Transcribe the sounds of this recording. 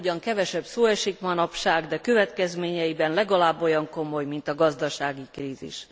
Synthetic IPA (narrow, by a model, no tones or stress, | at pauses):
ɟɒŋkɛvɛʃɛbsoːɛʃikmɒnɒpʃaːɡd̪ɛkø̞vɛt̪kɛzmeːɲɛjibɛnlɛɡɒlaːbːo̞jɒŋko̞mo̞jmint̪ɒɡɒzd̪ɒʃaːɡikriːzḭʃ